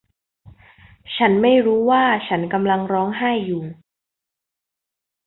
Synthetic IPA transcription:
t͡ɕʰa˦˥nma˥˩jɾuː˦˥waː˥˩t͡ɕʰa˦˥nka˧mla˧ŋɾɔː˦˥ŋɦaː˥˩jːuː˨˩

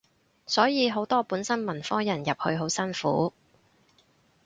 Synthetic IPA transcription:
sɔː˨˥jiː˨˧ɦo˨˥wt̪ɔː˥puː˨˥nsɐ˥nmɐ˨˩nfɔː˥jɐ˨˩njɐ˨p̚hɵ̰˧ɥɦo˨˥wsɐ˥nfṵː˨˥

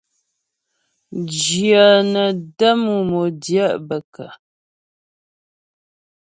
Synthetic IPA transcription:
d͡ʒjə˨nə˨də˦mu˨mo˨djə˦˨ʔbə˨kə̰˨

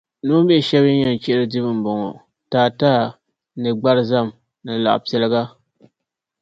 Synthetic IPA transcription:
nu˦bɛ˦˨ʃɛ˦bi˦ɲɛ˨n˨t͡ʃɛ˦ʔɪ˦ɾɨ˦dɨ˦bɨ˦m̩˨bɔ˨ŋɔ˨ | taː˨taː˦ | nɨ˨ɡ͡ba˦ɾza˦m | nɨ˨la̰˨ʔpi˨ɛ˨lɨ˦ɡa˦

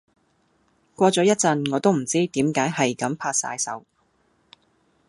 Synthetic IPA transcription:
kʷɔː˧t͡sɔː˨˥jɐ˥t̚t͡sɐ˧nŋɔː˨˧t̪o˥wm̩˨˩t͡siː˥t̪iː˨˥mkaː˨˥jɦɐ˨jkɐ˨˥mpʰaː˧t̚sa̰ː˧jsɐ̰˨˥w

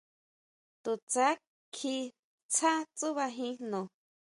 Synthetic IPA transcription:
t̪u˨t͡sa˦ | kʰi˧ | t͡sʰa˦t͡su˦βa˧ɦĩ˦nõ˨

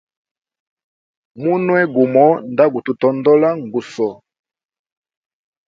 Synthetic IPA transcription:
mu˦nwɛ˦ɡu˨mɔ˦nda˦ɡu˨tu˨tɔ˨ndɔ˦la˦ŋɡu˨sɔ˨

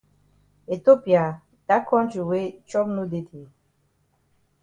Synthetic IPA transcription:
e˨to˦pi˨a˨ | d̥a˦kʰɔ̃˦ntɹi˨we˦t͡ʃɔ˦bnu˦de˦di˨

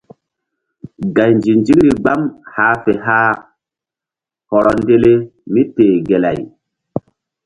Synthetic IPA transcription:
ɡa˨jnd͡ʒi˨nd͡ʒi˦ŋɾi˨ɡ͡ba˦mhaː˦fe˨ɦaː˦ | hɔ˨ɾɔ˨nde˦le˦mi˦teː˨ɡe˨la̰˨j

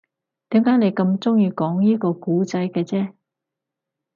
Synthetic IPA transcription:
t̪iː˨˥mkaː˨˥jne˨˧jkɐ˧mt͡sʊ˥ŋjiː˧kɔː˨˥ŋjiː˥kɔː˧kuː˨˥t͡sɐ˨˥jkɛː˧t͡sɛː˥

